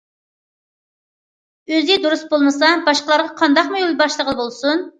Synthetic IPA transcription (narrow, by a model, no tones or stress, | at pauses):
øzɪd̪uɾusbolˠmɨsɑbɑʃqəlˠɑɾʁɑqʰɑnd̪ɑqmujolˠbɑʃlˠəʁəlˠəbolˠsun